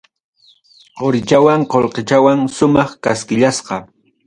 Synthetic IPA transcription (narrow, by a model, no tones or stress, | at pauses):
qoɾɪt͡ʃawaɴqolqet͡ʃawaŋʃʊmɑχkaskɪʎasqɑ